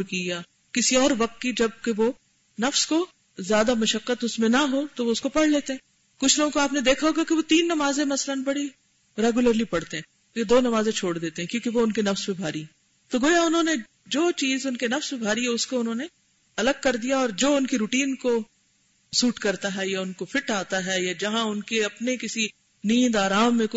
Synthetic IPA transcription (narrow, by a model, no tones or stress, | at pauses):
kijaː | kɪsiɔːɾʋɐk̚t̪̚kid͡ʒɐb̚keʋo | nɐfsko | zjaːd̪amɐʃəqːət̪ʊsmẽnaɦot̪oʋoʊskopɐɽ̤leːt̪eɦɛ̃ː | kʊt͡ʃʰloːɡõkoaːpned̪eːkʰaɦoːɡakeʋot̪iːnːɐmaːzẽmɐslənbɐɽi | ɾɛːɡjʊləɾlipɐɽt̪eɦɛ̃ː | ked̪oːnɐmaːzẽt͡ʃʰoːɽd̪eːt̪eɦɛ̃kjõːkeʋoʊnkenɐfspẽbʱaːɾiɦɛ̃ | t̪oɡoːjaʊnɦõːne | d͡ʒoːt͡ʃiːzʊnkenɐfspẽbʱaːɾiɦɛʊskoʊnɦõne | ɐləɡ̚kɐɾd̪ijaɔːɾd͡ʒoːʊnkiɾuːʈiːnko | suːʈkɐɾt̪aɦɛjaʊnkofɪʈaːt̪aɦɛjad͡ʒɐɦãʊnkeɐpnekɪsi | niːd̪aːɾaːmːẽk